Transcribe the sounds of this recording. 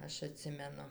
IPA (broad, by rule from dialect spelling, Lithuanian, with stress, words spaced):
ˈɐʃ ɐˈtʲsʲɪmʲɛnʊ